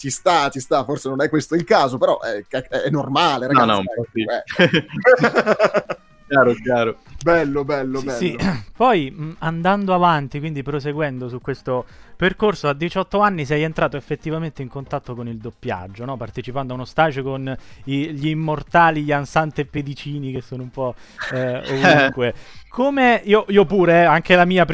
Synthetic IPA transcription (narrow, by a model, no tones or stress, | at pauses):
t͡ʃist̪at͡ʃist̪aforsenonɛkːwest̪oilkaːzopeɾɔʔɛkɛɛɛnːormaːleɾaɔnɔpeɔsiɛ | kjaːɾokjaːɾobɛlːobɛlːobɛsipɔjand̪and̪oavant̪ikwind̪ipɾos̬eɡwɛnd̪osukːwest̪operkorsoad̪ːit͡ʃɔt̪ːoanːis̬ɛjent̪ɾaːt̪oefːet̪ːivament̪eiŋkont̪at̪ːokonild̪opːja̰d͡ʒːonɔpart̪et͡ʃipand̪oaunost̪aːd͡ʒokoniʎiːmːort̪aːliʎiansant̪epːed̪it͡ʃiːnikesːoːnoumpɔ | ovuŋkwekʰomeiːoʔiːopuːɾeɛaŋkelamiːap